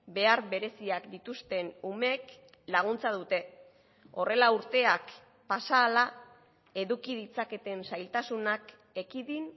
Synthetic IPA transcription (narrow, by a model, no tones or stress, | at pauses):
be̞aɾβe̞ɾe̞siakd̪it̪ust̪e̞nume̞k | laɣ̞unt͡saðut̪e̞ | o̞re̞lauɾt̪e̞ak | pasaːla | e̞ðukiðit͡sake̞t̪e̞nsajlt̪asunak | e̞kiðin